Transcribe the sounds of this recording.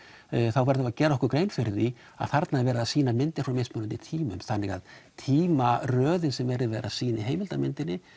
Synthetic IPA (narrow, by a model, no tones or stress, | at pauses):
θawvɛɾt̪avacɛːɾaɔhkʏɾkɾeːjnfɪɾði | a̰ð̥θaɾt̪navɛːɾaðasiːnamɪnt̪ɪɾ̥fɾawmejsmʏnant̪ɪt̪ʰiːmʏ̰mθanːɪɣa̰ðt̪ʰiːmarœːðɪnsɛmvɛɾðɪvɛːɾa̰siːnɪɦeːjmɪlt̪amɪnt̪ɪnːɪ